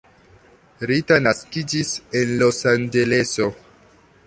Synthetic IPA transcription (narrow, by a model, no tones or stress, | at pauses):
ɾitanaskid͡ʒisenlosand͡ʒe̞le̞so̞